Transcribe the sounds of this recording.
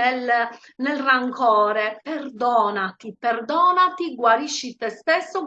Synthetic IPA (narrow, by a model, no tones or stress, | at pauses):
el | nelraŋkɔːɾepɛrd̪ɔːnat̪iperd̪ɔːnat̪iɡwaɾiʃːit̪ɛst̪esːo